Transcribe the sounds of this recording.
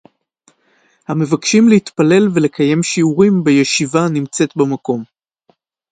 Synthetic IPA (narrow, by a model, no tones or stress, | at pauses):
hame̞vakʃimlehit̪pale̞lve̞le̞kaje̞mʃiuʁimbejeʃivanimt͡se̞tbemako̞m